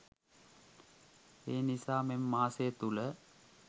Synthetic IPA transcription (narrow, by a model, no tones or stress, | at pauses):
eːnisaːmemːaːsejət̪ulə